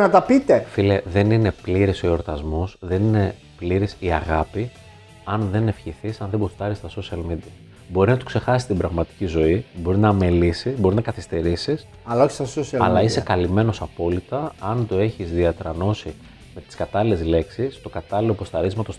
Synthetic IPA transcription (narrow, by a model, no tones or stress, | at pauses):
nɐt̪ɐpit̪efileðe̞nine̞pliɾisooɾt̪ɐzmosðe̞nine̞ | pliɾisiɐɣɐpi | ɐnðe̞ne̞fçiθisɐnðebost̪ɐɾist̪ɐso̞siɐlmid̪iɐ | bo̞ɾinɐt̪okse̞xɐsi̥st̪ibɾɐɣmɐt̪i̥cizo̞ibo̞ɾinɐmelisizbo̞ɾiznɐkɐθist̪e̞ɾisis | ɐlɐoçi̥st̪ɐsosiɐlɐ̰lɐisekɐlime̞no̞sɐpo̞lit̪ɐɐnt̪o̞e̞çizðiɐt̪ɾɐno̞si | me̞t̪i̥skɐt̪ɐlile̞zle̞ksist̪o̞kɐt̪ɐlilo̞post̪ɐɾizmɐt̪o̞s